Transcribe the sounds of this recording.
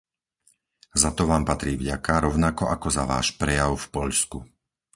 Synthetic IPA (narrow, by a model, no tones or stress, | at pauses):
zat̪ɔʋaːmpat̪ɾiːvɟakaɾɔʊnakɔʔakɔzaʋa̰ːʃpɾɛjaʊfpɔʎsku